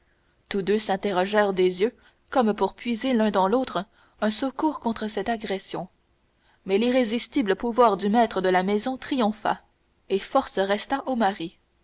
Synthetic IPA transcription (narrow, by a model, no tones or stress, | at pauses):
t̪ud̪øsɛ̃t̪eʁɔʒɛːʁd̪ezjø | kɔmpuʁpɥizelœ̃d̪ɑ̃loːt̪χə | œ̃səkuːʁkɔ̃t̪χəsɛt̪aɡʁɛsjɔ̃ | mɛliʁezist̪ibləpuvwaːʁd̪ymɛt̪χəd̪əlamɛzɔ̃t̪χijɔ̃fa̰ | efɔʁsəʁɛst̪aʔomaʁi